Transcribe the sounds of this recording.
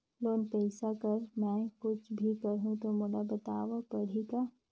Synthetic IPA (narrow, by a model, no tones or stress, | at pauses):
loːnpɛːsakɐɾmɛ̃kʊt͡ʃʰbʱikɐɾɦũt̪omʊɽabɐt̪aːʋapɐɽ̤ika